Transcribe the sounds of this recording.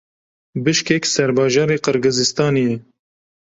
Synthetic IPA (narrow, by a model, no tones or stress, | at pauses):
bɨʃkɛksɛɾbɑːʒɑːɾeːqɨɾɡɨzɨst̪ɑːnijɛ